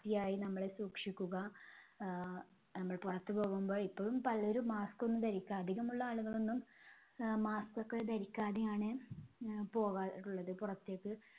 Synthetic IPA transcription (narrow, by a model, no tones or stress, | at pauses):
t̪ijaːjinɐmːɐɭe̞suːkʂikʲːuɣɐ | nɐmːɐɭpurɐt̪ːɨpo̞ːɣumbo̞ːɭipːoːɻumpɐlːɐo̞ɾumaːsko̞nːud̪ɐɾikʲːaːd̪ʱiɣumuɭːɐaːɭuɣɐɭo̞nːum | maːskokːed̪ɐɾikʲːaːd̪ijaːɳɨ | po̞ːɣaːiʈːuɭːɐðɨpurɐt̪ːe̞ːkːɨ